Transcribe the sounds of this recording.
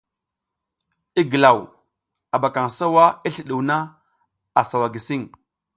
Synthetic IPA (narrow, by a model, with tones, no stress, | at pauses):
i˦ɡə˨la˨w | a˨ba˨ka˨ŋsa˦wa˦i˦ɬi˨ɗu˨wna˦ | a˨sa˨wa˨ɡi˨si˦˨ŋ